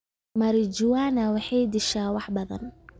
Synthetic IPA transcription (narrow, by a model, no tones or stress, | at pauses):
mɐɾɪd͡ʒʊwaːnawɑħɑjd̪ɪʃaːwɑħbɐðɐ̰n